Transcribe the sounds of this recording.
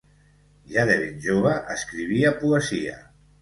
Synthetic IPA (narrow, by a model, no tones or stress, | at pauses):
ʒaðɛβinʒoβ̞aʔəskɾiβ̞iapuəzia̰